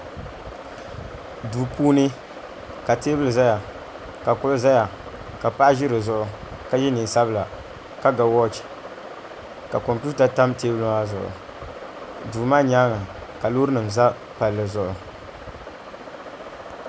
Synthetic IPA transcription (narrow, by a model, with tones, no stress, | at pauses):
duː˨puː˦nɨ˦ | ka˨teː˦bɨ˦lɨ˨za˦ja˨ | ka˨kʊ˦lza˦ja˨ | ka˨pa˦ʔa˦ʒɪ˦ɾɨ˨zʊ˦ʔʊ˨ka˦jɛ˦niː˨sa˦bɨ˦la˨ | ka˦ɡa˨wɔ˦t͡ʃ | ka˨kɔ˨mpi˦ta˨ta˦mteː˦bɨ˦lʊ˦ŋa˦zʊ̰˨ʔʊ̰˨ | duː˨maː˦ɲaː˦ŋa˨ka˨lo˦ɾɨ˦nɨ˨mza˦ | pa˨lːɨ˨zʊ˨ʔʊ˨